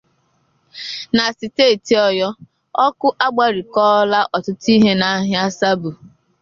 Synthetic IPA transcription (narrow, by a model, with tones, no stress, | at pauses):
na˨si˨teː˦˨ti˨ɔ˨jɔ˦ | ɔ˦kʊ˦ʔa˦ɡ͡ba˦ɾi˨kɔː˦la˦ʔɔ˨tʊ˦ti˦ɦe˦na˦ɦja˦sa˦bu˨